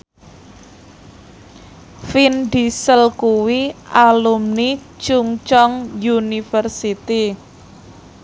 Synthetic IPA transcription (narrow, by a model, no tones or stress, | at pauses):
finɖ̪isəlkuwiʔalumni | t͡ʃuŋt͡ʃɔŋjunifərsit̪i